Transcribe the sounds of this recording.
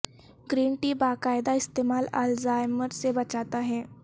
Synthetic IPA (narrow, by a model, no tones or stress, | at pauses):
ɡɾiːnʈiːbakajd̪aist̪emala̰lzajməɾsebət͡ɕat̪aɦɛ̃